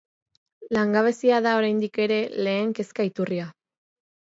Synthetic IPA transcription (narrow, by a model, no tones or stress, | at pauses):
laŋɡaβ̞e̞siaðao̞ɾajnd̪ike̞ɾe̞le̞ːŋke̞skait̪uria